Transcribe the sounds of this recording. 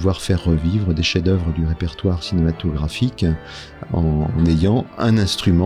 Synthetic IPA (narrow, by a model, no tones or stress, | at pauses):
vwaʁfɛʁːəvivʁəd̪eʃed̪œvʁəd̪yʁepɛʁt̪waʁsinemat̪ɔɡʁafik | ɑ̰̃nejɑ̃ɛ̃nɛ̃st̪χymɑ̃